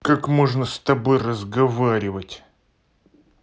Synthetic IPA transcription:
kakmoʐnəst̪ɐbo̞jrəzɡɐvaɾʲɪvətʲ

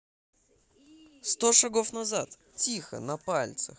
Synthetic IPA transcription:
st̪oʂɐɡofnɐzat̪ | tʲixə̰nɐpalʲt̪sə̰x

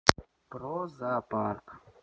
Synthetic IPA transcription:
pɾoːzaːpaːɾk

